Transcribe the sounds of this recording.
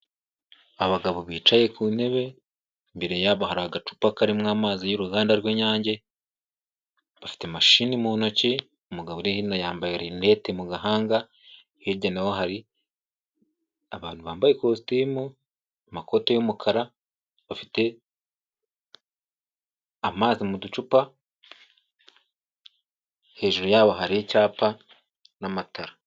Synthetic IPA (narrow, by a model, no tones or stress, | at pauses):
aβaɡaβoβiːt͡ʃaje̞kʰuːne̞βe̞ | mbeɾe̞jaβahaɾaaɡat͡ʃu̥pakaɾimŋaːmaːzijuɾuɡaːndaɾɡweːɲaːɲɟe̞ | βafi̥te̞maʃiːnimuno̞ci | umuɡaβoɾihinajaːmbajeɾene̞temuɡaɦaːŋɡa | hiɾɟanawoɦaɾi | aβaːn̥huβaːmbajekostiːmu | amako̞tojumukʰaɾa | βafite̞ | amaːzimudut͡ʃupa | he̞ːʒuɾojaːβo̞ɦaɾiicaːpa | namatʰaɾa